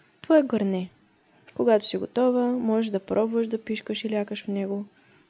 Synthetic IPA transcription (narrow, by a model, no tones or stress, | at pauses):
t̪vɔɛɡoɾnɛ | koɡat̪o̥siɡot̪ɔvəmɔʒɛʃd̪ɐpɾʔɔbvəʃd̪ɐpiʃkəʃilʲakəʃfnɛɡo